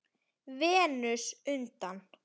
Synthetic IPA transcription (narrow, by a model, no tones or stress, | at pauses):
vɛːnʏsʏnt̪an